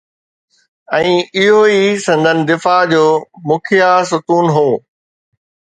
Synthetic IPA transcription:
ɛ̃ːɪɦoisɐ̃nd̪ʱənɪ̆d̪ɪfad͡ʑoːmʊkʰijasʊkuːnɦoː

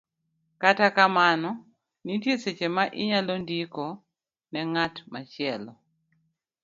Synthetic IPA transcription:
katakamanɔ | nitjeset͡ʃemaʔɪɲalondiko | nɛŋatmat͡ʃɪɛlɔ

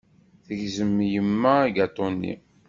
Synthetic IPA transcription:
θəʝzəmːjəmːæiɡɑt̪ˤːonːḭ

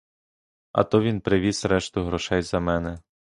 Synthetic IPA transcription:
ɐ̰t̪ɔʋʲinpɾɪʋʲisɾɛʃt̪ʊɦɾɔʃɛjzɐmɛnɛ

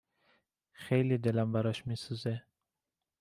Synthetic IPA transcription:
xejlid̪ɪlambaɾɔʃmisuze

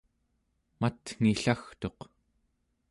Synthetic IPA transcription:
mat̪ŋ̥iɬaxt̪o̞q

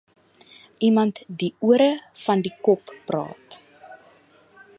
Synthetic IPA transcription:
ʔimɐntdiuəɾəfɐndikɔpːrɑ̰ːt

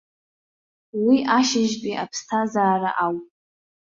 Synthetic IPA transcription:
wiʔaʃɪʒkʼiʔapʰstʰazaːɾa̰ʔawpʼ

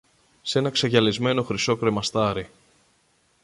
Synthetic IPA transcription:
se̞nɐkseʝɐlizme̞no̞xɾiso̞kɾemɐst̪ɐɾi

